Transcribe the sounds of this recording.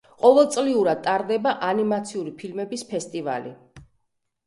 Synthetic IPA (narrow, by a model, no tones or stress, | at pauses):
qʼɔvɛlˠt̪sʼliuɾad̪̚t̪ʼaɾd̪ɛbaʔanimat̪sʰiuɾipʰilmɛbispʰɛst̪ʼiva̰lḭ